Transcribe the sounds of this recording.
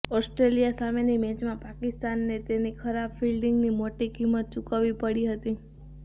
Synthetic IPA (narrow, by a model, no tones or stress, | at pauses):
ɔsʈɾelijasamenimɛ̃t͡ʃmãpakɪst̪anːet̪enikʰəɾabfilɖɪŋɡnimoʈikimːət̪̚t͡ʃukaʋipəɽiɦət̪i